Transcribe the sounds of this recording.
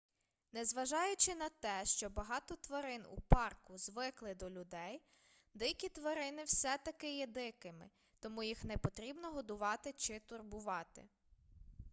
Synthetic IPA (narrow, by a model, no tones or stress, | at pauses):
nɛzʋɐʒɑjʊt͡ʃɪnɐt̪ɛʃt͡ʃɔbɐɦɑt̪ɔt̪ʋɐɾɪnṵpɑrkʊzʋɪklˠɪd̪ɔlʲʊd̪ɛj | d̪ɪkʲit̪ʋɐɾɪnɪwsɛt̪ɐkɪjɛd̪ɪkɪmɪ | t̪ɔmujixnɛpɔt̪ɾʲibnɔɦɔd̪ʊʋɑt̪ɪt͡ʃɪt̪ʊrbʊʋɑt̪ɪ̰